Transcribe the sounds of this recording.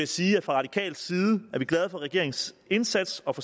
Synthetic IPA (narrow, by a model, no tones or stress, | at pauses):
eæsiːæ̥fʁɑ̈ʁɑ̈d̥ikʰɛ̰ːld̥siːð̞ˠəæɐʋiɡ̥lɛð̞ˠfɒ̽ʁɛɡ̥e̝̰ɐe̝ŋse̝nsæd̥sɒ̽fɒ̽